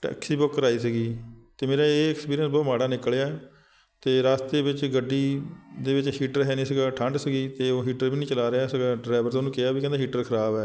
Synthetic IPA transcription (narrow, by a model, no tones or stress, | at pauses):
ʈɛ̰ːksiːbokːəɾaːiːsəɡiːt̪eːmeːɾaːeːɛkspiːɾijənsbɔːmaːɽaːnɪkəleaɛː | t̪eːɾaːst̪eːʋɪt͡ʃɡəɖːiːd̪eːʋɪt͡ʃhiːʈəɾɦɛːnĩːsəɡaːʈʰəɳɖsəɡiːt̪eːoːɦiːʈəɾʋiːnĩːt͡ʃəlaːɾeaːsəɡaːɖɾaːʋəɾt̪õːnũːkeaːbiːkɛ̃ːnd̪aɦiːʈəɾkʰəɾaːbɛː